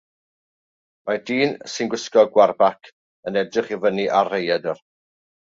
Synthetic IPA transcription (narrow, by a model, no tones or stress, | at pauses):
madiːnsɪnɡwɪskɔɡwarbakʰ | ənɛdrɪχivəniʔarejadər